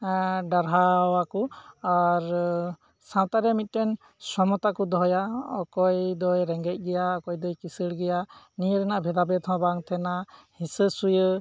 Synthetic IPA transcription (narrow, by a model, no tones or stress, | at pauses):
ɖaɾɦaɔwakuaɾ | sãw̃t̪aɾɛmit̪̚ˀʈɛn | sɔmɔt̪akud̪ɔɦɔjaɔkɔjd̪ɔjɾɛŋɡɛc̚ˀɡɛjaɔkɔjd̪ɔjkisəɽɡɛja | nijəɾɛnaʔbʱɛd̪abɛt̪ʰɔ̃baŋt̪ʰɛnahĩsəsujə